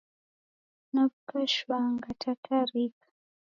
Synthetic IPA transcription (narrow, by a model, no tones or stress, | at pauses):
naβukaʃwaŋɡatʰatʰaɾikḁ